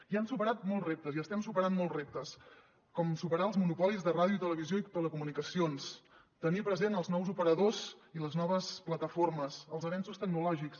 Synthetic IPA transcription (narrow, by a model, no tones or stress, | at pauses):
iansupəɾat̪̚mɔlˠzrep̚t̪əziəst̪ɛmsupəɾanmɔlˠzrep̚t̪əs | kɔmsupəɾaəlˠzmunupɔlizðəraðjuit̪ələβizjoit̪ələkumunikəsions | t̪ənipɾəzenəlˠznɔwzupəɾəðoziləznɔβ̞əsplət̪əforməsəlˠzəβɛnsust̪əɡ̚nulɔʒiks